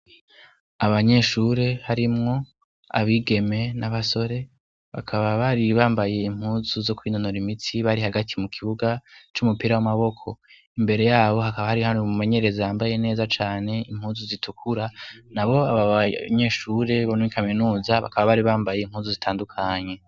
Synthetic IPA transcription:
aβaɲe̞ʃuːɾe̞haɾimŋo̞ | a̰βiɡe̞me̞naβaso̞ɾe̞ | βa̰kʰaβaβaɾiβaːmbaje̞im̥huːnzuzo̞kwiːno̞no̞ɾimitʰiβaɾihaɡatʰimukʰiβuɡat͡ʃumupiɾawamaβo̞kʰo̞ | imbe̞ɾe̞jaːβo̞ɦakaβahaɾihaːnumume̞ɲe̞ɾe̞zajaːmbaje̞ne̞ːzat͡ʃaːne̞im̥huːnzuzitʰukʰuɾanaβo̞aβaɲe̞ʃuːɾe̞βanmikaminuːzaβa̰kaβaβaɾiβaːmbaje̞im̥huːnzuzitʰaːndukʰaɲe̞

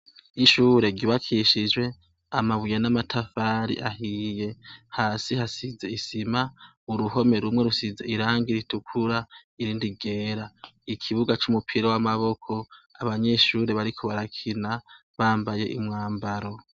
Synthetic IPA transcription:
iʃuːɾe̞ɡɟiβakʰiʃid͡ʒwe̞ | amaβujenamatʰafaːɾḭʔaɦije̞haːsihasize̞isima | uɾuɦo̞me̞ɾumŋe̞ɾusize̞iɾaːŋɡiɾitukʰuɾaiɾiːndiɡe̞ːɾaikʰiβuɡat͡ʃumupʰiɾowamaβo̞kʰo̞aβaɲe̞ːʃuɾe̞βaɾikʰoβaɾakʰina | βaːmbaje̞ʔimŋaːmbaɾo̞

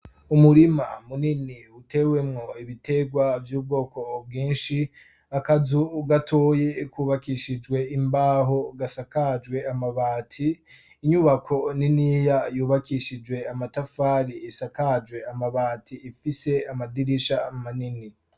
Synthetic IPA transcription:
umuɾimamuniniute̞we̞mŋo̞iβite̞ɡwavjuːb̚ɡo̞ːko̞b̚ɡiːnʃi | akazuːɡatʰo̞ːje̞kuːβakiʃid͡ʒwe̞imbaːɦo̞ɡasakad͡ʒwe̞amaβaːtʰiː | ɲuβakʰo̞ninijajuːβakiʃid͡ʒwe̞amatafaːɾiːsakad͡ʒwe̞amaβaːtʰiːfise̞amadiɾiʃamanini

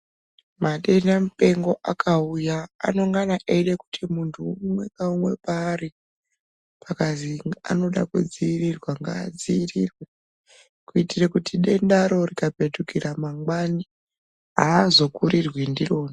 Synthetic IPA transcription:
maɗenamupe̞ŋɡo̞ʔakʰauja̰ːno̞ŋɡanaʔeireku̥tʰimuntʰuumwe̞kaumwe̞paːɾi | pʰakazia̰no̞ɗakud͡ziːrirwaŋɡaːd͡ziirirwe | kuitirekutiɗe̞ndaɾo̞rikape̞tukiɾamaŋɡwani | ɦaːzo̞kuɾirwindiro̞ːna

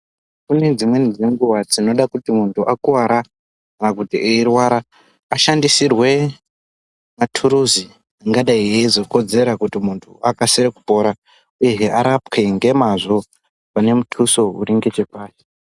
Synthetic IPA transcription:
kune̞d͡zimwenid͡zeŋɡuwad͡zino̞ɗakutimuntʰuʔakuwaɾa | kanakutieirwaɾaː | ʃandisirwe̞ | matʰuɾuzi | aŋɡaɗaiezo̞ko̞d͡ze̞ɾakutimuntʰuakaseɾeku̥po̞ɾa | ujeɦeaɾapkeŋɡe̞maʐo̞ | pane̞mutʰuso̞ṵɾiŋɡe̞t͡ʃepaːti̥

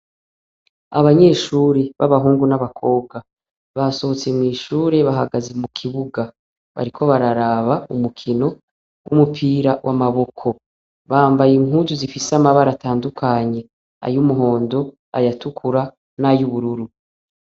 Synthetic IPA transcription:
a̰βaɲe̞ːʃuːɾeβaβaɦuːŋɡunaβakʰo̞ːb̚ɡa | βaso̞ot͡se̞mŋiːʃuːɾe̞βaɦaɡaze̞mukʰiβuɡa | βa̰ɾikʰo̞βaɾaɾaβaumukʰino̞ | wumupʰiːɾawʔamaβo̞kʰo | βaːmbajiŋuzuzifisamaβaɾataːndukʰaɲe̞ | a̰jumuɦo̞ːndo̞ | a̰jatukʰuɾa | najuβuɾuɾu

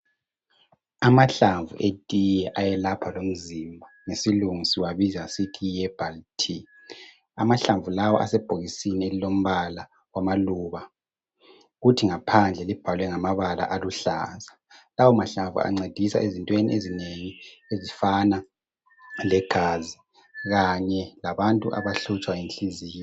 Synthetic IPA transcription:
amaɬaɱvṵʔetʼijɛʔajɛlapʰalom̩zimbʱaŋesiluŋisiwaβizasitʰiɛb̥altʰi | a̰maɬaɱvulawɔ̰ʔa̰sɛb̥ʱoɣisinielilom̩βala | wamaluːβa | ɣutʰiŋapʰand͡ɮʱɛlib̥ʱalwɛŋamaβala̰ʔaluɬa̰ːza | lawɔmaɬaɱvṵa̰ŋ͡ǀed̥ʱisa̰ʔezintʼwenḭʔezineŋiezifana | lɛɡ̥ʱaːzi | ɣaɲɛlaβantʼṵʔa̰βaɬut͡ʃʼwaenɬiziːjɔ

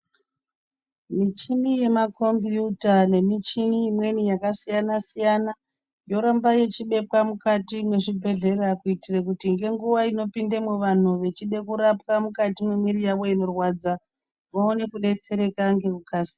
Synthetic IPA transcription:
mit͡ʃinije̞makʰo̞mbiutane̞mit͡ʃiniːmwe̞nijakasijanasijana | jo̞ɾambaje̞t͡ʃiɓe̞pwamukatimwe̞ʐibʱe̞ɮe̞ɾakuitirekutiŋɡe̞ŋɡuʋaino̞pindemwuʋan̤uʋe̞t͡ʃiɗe̞kuɾapwamukatimwemiɾijawo̞ino̞rwad͡za | maone̞kuɗe̞t͡se̞ɾe̞kaŋɡe̞kukaːsi̥

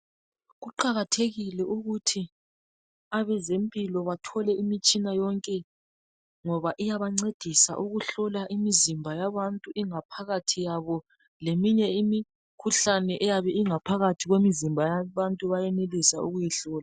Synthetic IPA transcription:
ɣuǃaɣatʰeɣilɛʔuɣutʰi | aβɛzempʼilɔβatʰɔlɛʔimit͡ʃʼinajɔŋkʼɛ | ŋɔβaʔijaβaŋ͡ǀed̥ʱisa̰ʔuɣuɬɔlaʔimizimbʱajaβantʼuʔiŋapʰaɣatʰijaβɔ | lemiɲɛimi | kʰuɬanɛʔɛjaβɛiŋapʰaɣatʰiɣwemizimbʱajaβantʼuβajɛnelisauɣujiɬɔːla

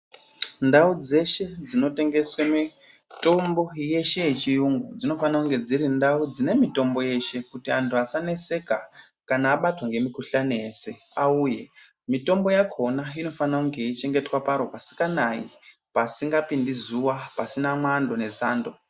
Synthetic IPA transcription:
ndaud͡ze̞ʃe̞d͡zino̞te̞ŋɡe̞swemi | to̞mbo̞je̞ʃe̞jet͡ʃijuŋɡud͡zino̞fanakuŋɡe̞d͡ziɾindaud͡zine̞mito̞mbo̞je̞ʃe̞kutiantʰuasane̞se̞ka | kanaːɓatwaŋɡe̞mikuɬanijeːse̞ | auːje̞ | mito̞mbo̞jakʰo̞naino̞fanakuŋɡe̞it͡ʃe̞ŋɡe̞twapaɾopasi̥kanaji | pasiŋɡapindizuwapasinamwando̞ne̞za̰ːndo̞

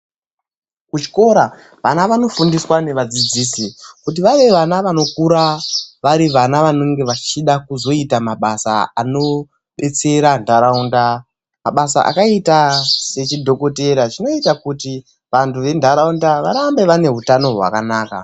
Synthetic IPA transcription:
kut͡ʃi̥ko̞ɾa | ʋanaʋano̞fundiswane̞ʋad͡zid͡ziːsikut̬iʋaʋe̞ʋanaʋano̞kuɾaʋaɾiʋanaʋanoŋɡe̞ʋat͡ʃiɗakuzo̞itamaɓasa̰a̰no̞ | ɓe̞t͡se̞ɾandʱaɾaunda | maɓasa̰ʔa̰kaitase̞t͡ʃidʱo̞ko̞te̞ɾat͡ʃino̞itakuti | ʋantuʋe̞ndʱaɾaundaʋaɾambe̞ʋane̞ɦutano̞ɦwa̰kanaːka̰

